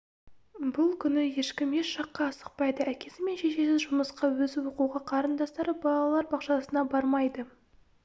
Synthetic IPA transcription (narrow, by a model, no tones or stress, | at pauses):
bʊlˠkʲʰʏnɪje̞ʃkʲɪmje̞ʃʃɑqːɑːsə̥q̚pɑjd̪əækʲe̞sɪme̞nʃe̞ʃesɪzʒʊməsqɑwɵzɪwoquʁɑqʰɑɾənd̪ɑst̪ɑɾəbɑlˠɑlˠɑɾbɑqʃɑsənɑbɑɾmɑjd̪ə